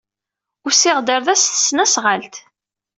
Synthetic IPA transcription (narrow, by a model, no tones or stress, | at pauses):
ʊɾsɪʁd̪əɾðæsθə̥snæsʁəlt̪